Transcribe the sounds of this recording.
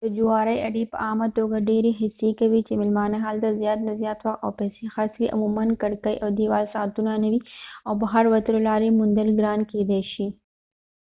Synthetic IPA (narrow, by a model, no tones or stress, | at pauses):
t̪ɐd͡ʒʊwaːɾɐiʔɐɽeːpɐ̰ʔaːmat̪oːɡaɖeːɾiɦɪsːikɐʋit͡ʃemɪlmaːneɦaːlt̪ɐzjaːt̪̚nɐzjaːt̪ʋɐk̪ɔːpɛːsexɐskiʔɐ̰muːmɐnkɐɽkɐḭʔɔːd̪iːʋaːlsaːt̪unanɐʋiɔːbɐɦɐɾʋɐt̪ɾolaːɾimʊ̃nd̪əlɡɾaːnkiːd̪eːʃi